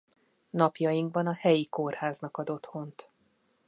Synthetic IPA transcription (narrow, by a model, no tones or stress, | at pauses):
nɒpjɒjiŋɡ̚bɒnɒhɛjikorhaːznɒkɒd̪o̞t̪ho̞nt̪